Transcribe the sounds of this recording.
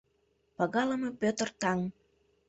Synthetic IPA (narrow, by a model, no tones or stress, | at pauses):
pɑɣɑləmepøt̪ə̆rt̪ɑŋ